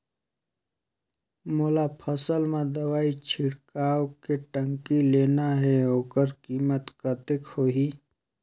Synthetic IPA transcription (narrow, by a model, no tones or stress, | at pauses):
moːlapʰəsəlmẽd̪əwaːit͡ʃʰɪɽkaːwkeʈə̃ŋkileːnaɦɛoːkəɾkiːmət̪kət̪ɪkhoːɦiː